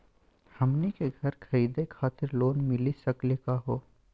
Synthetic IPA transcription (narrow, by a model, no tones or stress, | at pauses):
hɐmnikeɡʱɐɾkʰɐɾiːd̪ekʰaːt̪ɪɾloːnmɪlisɐklɪkaɦoː